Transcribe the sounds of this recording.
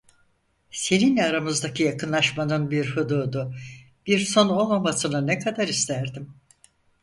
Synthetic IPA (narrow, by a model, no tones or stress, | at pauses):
se̞ninʲɛaɾamɯzd̪acʰɯjakʰɯnlˠaʃmanɯnbiɾhɯd̪uːd̪ʊ | b̥iɾso̞no̞lˠmamasɯnɯnɛkʰad̪aɾist̪ʰæɾd̪im